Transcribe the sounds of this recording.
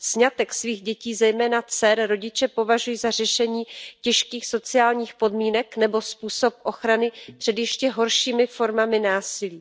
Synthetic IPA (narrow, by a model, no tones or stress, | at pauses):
sɲat̪ɛksviːɣɟɛciːzɛjmɛːnat͡sɛɾɾo̞ɟɪt͡ʃɛpo̞vaʒujiːzar̝ɛʃɛɲiːcɛʃkiːxso̞t͡sɪaːlɲiːxpo̞dmiːnɛknɛbo̞spuːso̞p̚ʔo̞xɾanɪpr̝̥ɛdjɛʃcɛɦo̞ɾʃiːmɪfo̞ɾmamɪnaːsɪliː